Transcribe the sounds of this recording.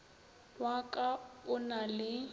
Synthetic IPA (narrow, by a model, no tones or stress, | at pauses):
wakʼaʊnalɪ